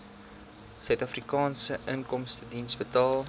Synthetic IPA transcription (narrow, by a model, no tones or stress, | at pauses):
sœɥtɐfrikɑːnsəʔəŋkɔmstədinsbətɑːlˠ